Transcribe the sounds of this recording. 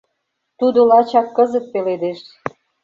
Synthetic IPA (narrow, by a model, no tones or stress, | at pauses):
t̪ud̪olɑt͡ɕɑkːɤzə̆t̪̚peled̪eʃ